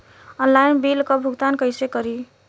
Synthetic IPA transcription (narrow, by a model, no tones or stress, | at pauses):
ənlajnbilkɔbʱuɡt̪ankəjsekəɾi